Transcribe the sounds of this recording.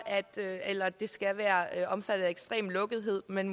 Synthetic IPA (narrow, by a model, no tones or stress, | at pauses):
æd̥øelɐd̥e̝sɡ̥æʋæːɐʔɒ̽mfæd̥ð̩ˠeɡ̥sd̥ʁḛːmlɔ̽ɡ̥ð̞̩ˠɦe̝ð̞̰ˠmenm